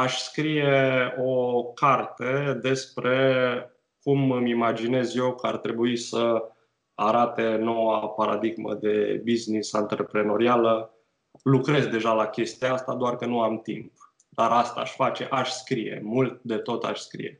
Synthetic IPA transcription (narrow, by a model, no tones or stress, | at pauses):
aʃskɾije̞o̞kart̪e̞d̪e̞spɾʔe̞ | kumɨmimad͡ʒine̞zje̞wkəart̪ɾe̞buisə | aɾat̪e̞no̞wapaɾa̰d̪iɡmə̰d̪e̞biznisant̪ɾepɾe̞no̞ɾialə | lukɾe̞zd̪e̞ʒalakʲe̞st̪iaast̪ad̪oarkənuamt̪ḭmp̚ | d̪̥aɾʔast̪a̰ːʃʲfat͡ʃe̞̰ʔaʃʲskɾije̞̰mult̪̚d̪e̞t̪o̞t̪a̰ʃʲskɾḭje̞̰